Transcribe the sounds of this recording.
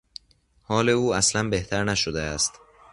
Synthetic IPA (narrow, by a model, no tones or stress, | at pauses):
hɒːle̞uːæslænbeht̪ʰæɾnæʃod̪eæst̪